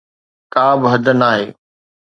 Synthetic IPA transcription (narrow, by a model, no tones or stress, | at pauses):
kaːbɪɦɐd̪ʱənaːɦeː